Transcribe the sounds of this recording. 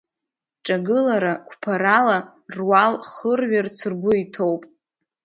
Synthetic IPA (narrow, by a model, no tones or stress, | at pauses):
ʈ͡ʂʼaɡɨlaɾakʷʰpʰaɾala | rwalχərɥart͡sʰɨrɡʷʊitʰowpʼ